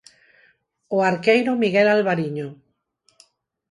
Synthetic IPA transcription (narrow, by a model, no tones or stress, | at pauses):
oaɾkejɾomiɣɛlalβaɾiɲo